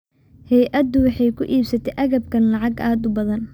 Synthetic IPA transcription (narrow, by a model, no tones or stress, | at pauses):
hɛjʔɐd̪ʊwɑħɑjkʰʊʔiːbsɐt̪ʰɛʔɐɣɐb̚kʰɐnlɑʕɑɡaːd̪ʊbɐðɐn